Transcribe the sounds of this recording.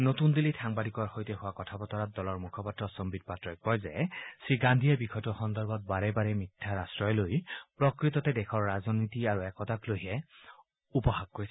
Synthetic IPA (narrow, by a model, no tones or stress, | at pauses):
notundilitʰaŋbadikɔɹxojtɛɦʊwakɔtʰapɔtɔɹat̚dɔlɔɹmukʰɔpatɹɔsɔmbid̚patɹɔjkpɔjzɛsɹiɡandʱijabikʰɔtɔxɔndɔɹbɔt̚baɹɛbaɹɛmitʰːaɹastɹɔjlojpɹɔkɹitɔtɛdɛkʰɔɹːazɔnitiaɹuɛkɔtaklojɦɛ | upɔhaɡ̚koɹis